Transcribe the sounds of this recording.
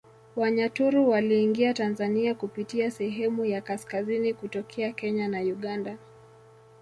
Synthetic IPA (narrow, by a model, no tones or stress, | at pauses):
waɲatuɾuwaliːŋɡiatanzaniakupitiasɛɦɛmujakaskazinikutɔkʰɛakɛɲanajuɠanda